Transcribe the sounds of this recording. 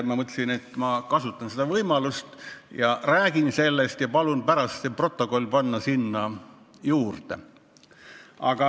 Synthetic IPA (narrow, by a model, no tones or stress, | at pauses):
mɑmɤt̪le̥sine̞t̪ːˑmɑkɑsut̪ːˑɑnsed̪ɑvɤjmɑlust̪jɑræːɡ̥inse̞lːest̪jɑpɑlunpæɾɑst̪selpro̞t̪ːˑo̞ko̞lʲpɑnːɑsinːɑ | juːrt̪ḛ | ʔɑ̰ɡ̥ɑ